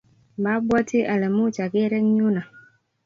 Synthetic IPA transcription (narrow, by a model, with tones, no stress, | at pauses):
ba˦bʷa˦tʰi˦ʔa˨lɛ˨mu˦˨t͡ʃa˨ɡe˦ɾɛ˦ŋ˦ɲu˦na˨